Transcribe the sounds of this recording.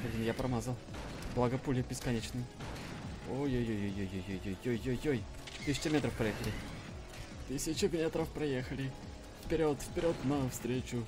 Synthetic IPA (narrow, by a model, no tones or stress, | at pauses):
xɐdʲɪnjapɾʔɐmazəlˠblˠɐɡɐpulʲɪbʲɪskɐnʲet͡ɕnɨj | ojojojojojojojojːojːojoj | t̪ɨsʲɪ̥t͡ʃɪmʲet̪ɾəfpɾɐjexəlʲɪ | t̪ɨsʲɪt͡ɕʊmʲet̪ɾəfpɾɐjexəlʲɪ | fpʲɪɾʲot̪fpʲɪɾʲot̪nɐfst̪ɾʲet͡ɕʊ